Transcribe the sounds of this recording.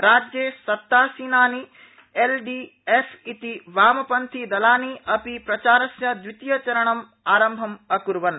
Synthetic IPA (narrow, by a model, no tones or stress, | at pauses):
ɾaːd͡ʒjeːsɐt̪ːaːsiːnaːni | elɖi | efʰit̪iʋaːmɐpɐnt̪ʰid̪ɐlaːniɐpipɾɐt͡ʃaːɾɐsjɐd̪ʋit̪jɐt͡ʃɐɾɐɳɐm | aːɾɐmbʱɐmɐkuɾʋɐn